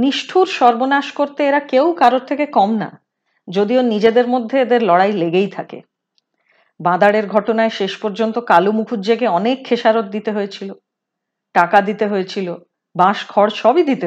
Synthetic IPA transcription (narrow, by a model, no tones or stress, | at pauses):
niʃʈʰuɾʃɔɾbonaʃkoɾt̪eeɾakewkaɾot̪ʰːekekɔmna̰ | d͡ʑod̪ionid͡ʑed̪eɾmod̪ʱːeed̪eɾlɔɽajleɡejt̪ʰakḛ | bãd̪aɽeɾɡʱɔʈonaeʃeʃpɔɾd͡ʑont̪okalumukʰud͡ʑeɡeɔnekʰːeʃaɾot̪̚d̪it̪eɦoet͡ɕʰilo | ʈakad̪it̪eɦoet͡ɕʰilo | bãʃɡʱɔɽʃɔbid̪it̪e